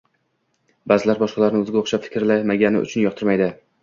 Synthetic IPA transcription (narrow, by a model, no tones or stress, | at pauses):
bazɪlaɾbɒʃqɑlaɾɪnɪɵzɪɡʲaoχʃapfɪ̥kʲɾlamaɡʲanɪ̰ʊ̰t͡ʃʰʊnjɒqt̪ʰɪɾmajd̪ɪ